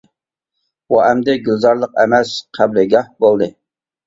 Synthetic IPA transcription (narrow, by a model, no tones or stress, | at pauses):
wuɛmd̪ɛɡʲylzɑɾlˠəqɛ̰mɛsqʰæblɪɡʲɑhbolˠd̪ɨ